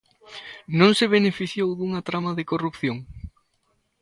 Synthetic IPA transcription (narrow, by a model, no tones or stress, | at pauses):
nõŋsɪβ̞enefiθjowðuŋɐt̪ɾamɐðɪkorupθjoŋ